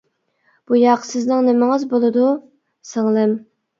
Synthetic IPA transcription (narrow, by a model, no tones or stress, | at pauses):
b̥ujɑqsɪznɪŋnɪmɪŋɪzbolˠɨd̪u | sɪŋlˠɪm